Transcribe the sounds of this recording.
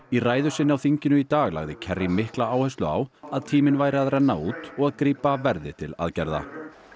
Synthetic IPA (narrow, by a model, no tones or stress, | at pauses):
iraːjðʏsɪnɪawθiɲcɪnʏit̪aːɣla̰ɣðɪcʰɛrːimɪhklaaːwhɛst̪lʏa̰ːwaðt̪ʰiːmɪnvaːjɾɪaðrɛnːauːt̪ɔɣaðkɾiːpavɛɾðɪ̰t̪ʰɪla̰ðcɛɾða̰